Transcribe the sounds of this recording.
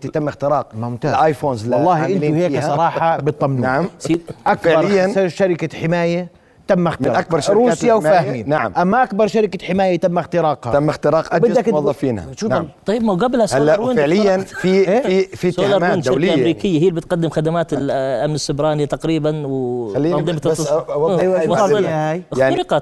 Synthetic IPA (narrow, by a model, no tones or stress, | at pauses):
t̪t̪ɪmːɪxt̪ɪɾɑːq̚mmt̪aʔajfoːnzlɑlˤːɑːhiʔɪnuheːsˤɑɾˤɑːħɑbɪt̪ˤːɑmnnaʕamsiːʔakbʕɑɾˤɪjːanaʃaɾɪkaħɪmaːja | t̪amːɪxt̪mɪɾʔak̚bɑɾˤʃɾuːsjawfaːhmiːnnaʕa̰mʔamːaʔakbɑɾˤʃaɾɪkaħɪmaːjat̪ɪmːɪxt̪ɪɾɑːqhat̪amːɪxt̪ɪɾɑːqʔabɪd̪ːakwɑðˤːɑfiːnha̰ʃut̪ˤɑjbmawɡablhasaaɾinfɪʕlɪjːanfieifitslɑɾaːnʃaɪɾlaʔaːmɾiːkɪjːaɦiːlbɪt̪qad̪ːɪmxad̪amaːt̪ɪllʔamnɪsːʊbɾˤɑːnit̪aqɾiːbanwalːiːɑnðˤimɑt̪sawwˤɪhaːjaʕɾɪqɑ